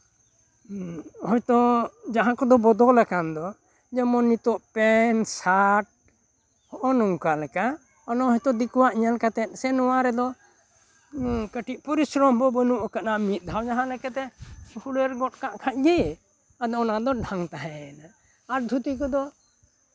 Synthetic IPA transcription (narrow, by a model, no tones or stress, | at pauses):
hɔjt̪ɔd͡ʒaɦãkɔd̪ɔbɔd̪ɔlɛkand̪ɔ | d͡ʒɛmɔnːit̪ɔʔpɛnsaʈ̚ | hɔʔɔnɔŋkalɛka | ɔnɔɦɔjt̪ɔd̪ikɔwaʔiɲalkat̪ɛt̪̚ˀsɛnɔwaɾɛd̪ɔ | kəʈiʔ̚pɔɾisɾɔmbɔbənuʔɔkaʔnaʔmit̪̚ˀd̪ʱawd͡ʒaɦãlɛkat̪ɛspʰuləɾɡɔt̚kaʔkʰaʔ̪̚ɡi | ad̪ɔɔnad̪ɔɖʱaŋt̪aɦɛɛnaː | ɾd̪ʱut̪ikɔd̪ɔ